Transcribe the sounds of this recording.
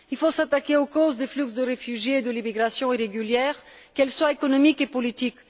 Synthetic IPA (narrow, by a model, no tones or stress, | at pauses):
ilfosat̪akeokozd̪eflyksd̪əʁefyʒjeːd̪əlimiɡʁasjɔ̃iʁeɡyljɛːʁkɛlswaekɔnɔmikepɔlit̪ik